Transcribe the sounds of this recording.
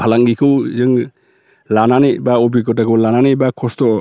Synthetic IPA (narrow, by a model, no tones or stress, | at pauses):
pʰalaŋɡikʰɯwzɯŋ | lananibaobikɔtakʰɯwlananibakʰɔstɔ